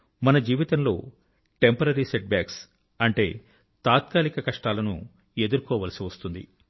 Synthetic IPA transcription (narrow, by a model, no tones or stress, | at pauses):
mɐnɐd͡ʒiːʋit̪ɐnlo̞ː | ʈe̞mpɐɾɐɾiseʈ̚baːks | ɐɳʈe̞̰ː | t̪aːt̪̚kaːlikɐkɐʂʈaːlɐnṵ | e̞d̪uɾkɔːʋɐlɐsiʋɐst̪und̪ḭ